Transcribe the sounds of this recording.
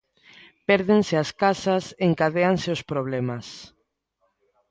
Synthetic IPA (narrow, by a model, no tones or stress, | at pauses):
pɛɾðensɪaskasaseŋkaðeanseospɾoβlɛmas